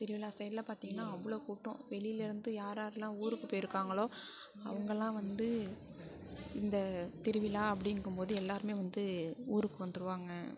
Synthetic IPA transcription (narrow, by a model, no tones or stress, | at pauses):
t̪ɪɾɪʋɪlaːsɐjɾlɐpaːɾt̪iːŋɡɐnːaːɐʋːɐɭoːkuːʈːʊ̃ʋɛɭɪjɪlɪɾɯnd̪ɯjaːɾaːɾɛlãːuːɾɯkːɯpoːjɪɾɯkːaːŋɡɐɭoː | ɐ̰ʋɐŋɡɐlãːʋɐnd̪ɯ | ɪnd̪ɐt̪ɪɾɯʋɪlaːɐpːɐɽɪŋkːɯmpoːðɯɛlːaːɾɯmeːʋɐnd̪ɯuːɾɯkːɯʋɐnd̪ɯɾɯʋaːŋɡɐ